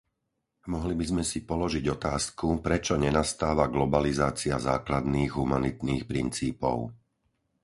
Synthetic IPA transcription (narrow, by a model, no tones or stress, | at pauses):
mɔɦlibizmɛsipɔlɔʒiɟɔt̪aːskupɾɛt͡ʃɔɲɛnast̪aːʋaɡlɔbalizaːt͡siaza̰ːklad̪niːɣɦumanit̪niːxpɾint͡siːpɔ̰ʊ